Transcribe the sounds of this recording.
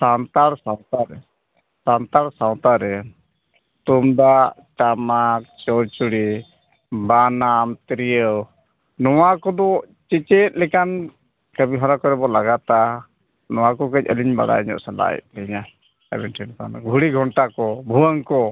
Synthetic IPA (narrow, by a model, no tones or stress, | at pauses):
sant̪aɽsawt̪aɾɛ | sant̪aɽsaw̃t̪aɾɛ | t̪umd̪aʔʈamak̚t͡ʃɔɾt͡ʃuɽi | banamt̪ɾijəw | nɔwakɔd̪ɔ | t͡ʃit͡ʃɛt̪̚ˀlɛkan | kəbiɦɔɾakɔɾɛbɔlaɡat̪a | nɔwakɔkəc̚ə̰liɲba̰ɽa̰ɲɔ̰ʔsala̰j̰t̪lɛɲa | ɛ̰bɛnʈʰinka̰nɡʱuɽiɡʱɔɳʈakɔbʱuwəŋkɔ